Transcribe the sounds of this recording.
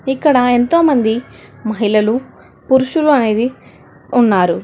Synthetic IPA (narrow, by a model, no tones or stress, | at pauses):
ikːɐɽɐent̪o̞ːmɐnd̪imɐɦilɐlu | puɾuʃuluɐne̞ːd̪i | unːaːɾu